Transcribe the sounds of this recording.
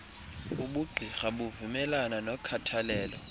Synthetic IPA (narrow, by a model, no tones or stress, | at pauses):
uɓuɡ͡ǃʱixaɓuvumɛlananɔkʰatʰalɛːlɔ